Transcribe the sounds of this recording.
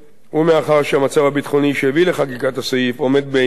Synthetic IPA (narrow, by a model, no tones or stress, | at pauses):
umeaχaʁʃeamat͡savabit̪χo̞niʃehevileχakikat̪asoifo̞me̞d̪̚be